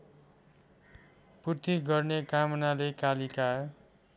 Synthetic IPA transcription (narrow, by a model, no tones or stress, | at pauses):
purt̪iɡʌrnekamʌnalekalika